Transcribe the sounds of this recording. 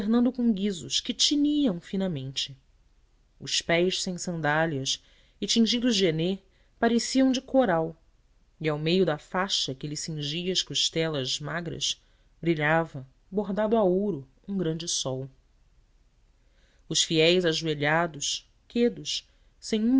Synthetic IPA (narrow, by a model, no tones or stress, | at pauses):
feɦnɐ̃nd̪ʊkõɡizʊʃkɪt͡ʃiniɐ̃w̃finɐmẽnt͡ʃɪ̥ | ʊspɛjʃsẽj̃sɐ̃nd̪aljɐs | ɪt͡ʃĩŋʒid̪ʊʒd͡ʒene | paɾesiɐ̃w̃d͡ʒɪkʰoɾaw | iawmejʊd̪ɐfaʃɐkelisĩŋʒiɐɐʃkuʃt̪ɛlɐzmaɡɾɐ̰ʃ | bɾiʎavɐ | boɦd̪ad̪ʊaowɾʊ | ũɡɾɐ̃nd͡ʒɪsɔw | ʊʃfiɛjzaʒueʎad̪ʊʃ | ked̪ʊʃ | sẽj̃ũ